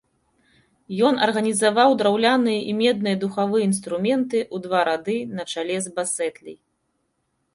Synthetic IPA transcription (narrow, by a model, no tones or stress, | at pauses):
jɔnɐrɣɐnʲizavawd̪ɾawlʲanɨjɐʔimʲɛd̪̚nɨjɐd̪uxavɨjɐinst̪ɾumʲɛnt̪ɨʔud̪vaɾʔad̪ɨnɐt͡ʂalʲɛzbasɛt̪lʲḭj